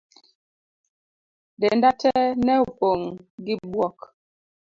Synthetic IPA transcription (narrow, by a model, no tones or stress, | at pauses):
dɛndatɛnɛupoŋɡibwɔk